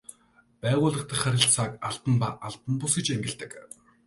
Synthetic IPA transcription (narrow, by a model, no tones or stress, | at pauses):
pæːʁʊːɮə̆χt̪ʰə̆χæɾʲɪ̆ɬt͡sʰaːkaɮt̪ə̆npaʔaɮt̪ə̆npʊsɡĕt͡ɕeŋɡʲɪ̆ɮt̪ɘ̆k